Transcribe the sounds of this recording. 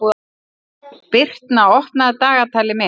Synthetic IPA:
u | pɪr̥t̪naɔhp̪naðt̪aːɣat̪ʰaːlɪmɛ

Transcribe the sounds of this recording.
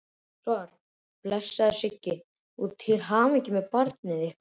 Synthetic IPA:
saɾ | plɛsːaðsɪcːɪ | uðt̪ʰɪɾɦaːvɛcɪmɛðpaɾt̪nɪðɪhk

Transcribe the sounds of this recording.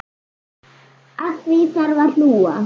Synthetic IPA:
at̪viθaɾval̥uːa

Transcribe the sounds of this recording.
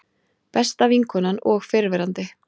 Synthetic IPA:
pɛst̪aviŋkʰɔnanɔɣfɪɾvɛɾant̪ɪ

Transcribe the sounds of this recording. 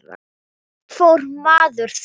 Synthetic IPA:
fʊrmaðɨr̥θ

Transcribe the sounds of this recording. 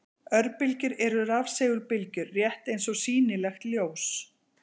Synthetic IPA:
œɾpɪlcɪɾɛɾʏɾavsɛːɣʏɾpɪlcʏɾːjɛht̪ejnsɔsiːnɪlɛxt̪ljows

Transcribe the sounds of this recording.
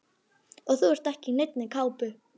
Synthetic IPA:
ɔɣθuɛɾ̥t̪ɛhcɪnejt̪nɪkʰaːwpʏ

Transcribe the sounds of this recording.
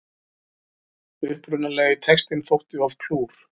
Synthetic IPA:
ʏhpɾʏnalɛːɣɪt̪ʰɛkst̪ɪnθowht̪ɪav̥kʰluːɾ̥

